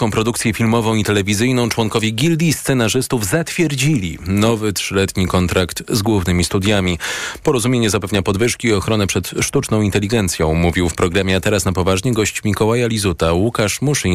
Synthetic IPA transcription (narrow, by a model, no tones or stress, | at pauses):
kɔ̃w̃pɾɔd̪ukt̪sʲjɛfʲilmɔvɔ̃w̃it̪ɛlɛvʲizɘjnɔ̃w̃t͡ʂwɔŋkɔvʲjɛɡʲild̪ʲist̪sɛnaʐɘst̪uvzat̪fʲjɛɾd͡ʑilʲḭnɔvɘtʂɘlɛt̪ɲikɔnt̪ɾakt̪zɡwuvnɘmʲist̪ud̪ʲjamʲipɔɾɔzumʲjeɲɛzapɛvɲapɔd̪vɘʂkʲiːɔxɾɔnɛpʂɛt̪ʂt̪ut͡ʂnɔ̃w̃int̪ɛlʲiɡɛnt̪sʲjɔ̃w̃muvʲiwfpɾɔɡɾamʲjɛat̪ɛɾasnapɔvaʐɲɛɡɔɕt͡ɕmʲikɔwajalʲizut̪awukaʂmuʂi